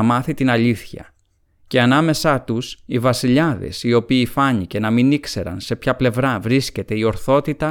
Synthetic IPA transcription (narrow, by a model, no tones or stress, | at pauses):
mɐθit̪inɐʎiθçɐ̰ | ce̞ɐnɐme̞sɐt̪usivɐsiʎɐðe̞̰sio̞piːfɐɲice̞nɐminikse̞ɾɐ̰nse̞pçɐple̞vɾɐvɾisce̞t̪e̞io̞ɾθo̞t̪it̪ɐ